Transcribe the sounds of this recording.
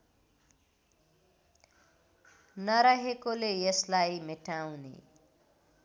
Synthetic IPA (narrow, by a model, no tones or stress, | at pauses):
nʌɾaɦekolejʌslajmeʈawnḛ